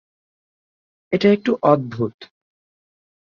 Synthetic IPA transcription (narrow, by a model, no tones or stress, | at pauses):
eʈaek̚ʈuʔɔd̪̚bʱut̪